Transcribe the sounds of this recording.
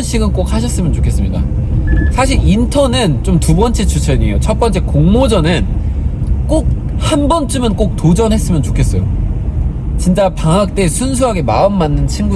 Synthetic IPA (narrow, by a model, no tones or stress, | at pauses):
nɕʰiɡɯnk͈ok̚haɕʰʌs͈ɯmjʌnt͡ɕokʰe̞s͈ɯmɲida̰ | sʰaɕʰiɾintʰʌnɯnt͡ɕomtubʌnt͡ɕ͈e̞t͡ɕut͡ɕʰeɲiejot͡ɕʰʌp͈ʌnt͡ɕ͈e̞koŋmod͡ʑʌnɯn | k͈ok̚ | hanbʌnt͡ɕ͈umɯnk͈ok̚tod͡ʑʌnɦe̞s͈ɯmjʌnt͡ɕokʰe̞s͈ʌjo | t͡ɕint͡ɕ͈apaŋɦak̚t͈e̞sʰuns̬ʰuɦaɡe̞maɯmːanːɯnt͡ɕʰinɡu